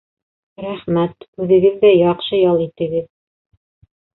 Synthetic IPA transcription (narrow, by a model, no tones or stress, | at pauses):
ɾæχmæt̪ʉðɘ̆ɡɘðːæjɑqʃɤjɑlˠit̪ɘ̆ɡɘð